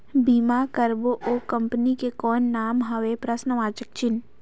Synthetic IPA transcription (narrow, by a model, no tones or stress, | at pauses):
biːmaːkəɾboʔoːkɐ̃mpnikekɔːnːaːmɦɐʋepɾɐsnəʋaːt͡ʃək̚t͡ʃɪn